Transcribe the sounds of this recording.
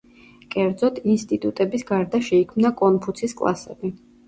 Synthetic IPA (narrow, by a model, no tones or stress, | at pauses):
kʼɛɾd̪zɔt̪ʰinst̪ʼit̪ʼut̪ʼɛbisɡaɾd̪aʃɛikʰmnakʼɔnpʰut̪sʰiskʼlˠa̰sɛ̰bi